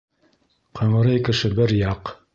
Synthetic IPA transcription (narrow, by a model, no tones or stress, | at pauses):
qʰɤ̆ɴɤ̆ɾɤjkɘ̆ʃɘbɘɾjɑq